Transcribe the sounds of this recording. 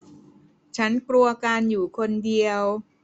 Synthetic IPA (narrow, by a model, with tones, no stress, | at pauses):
t͡ɕʰa˦˥nklu˧ɐkaː˧njuː˨˩kʰo˧ndi˧əw